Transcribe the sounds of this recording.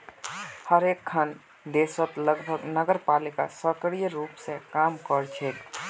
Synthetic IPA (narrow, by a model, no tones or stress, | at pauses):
həɾekʰːən | d̪esət̪ləɡbʱəɡnəɡəɾpalika̰səkəɽijəɾupsẽkamkəɾt͡ʃʰek̪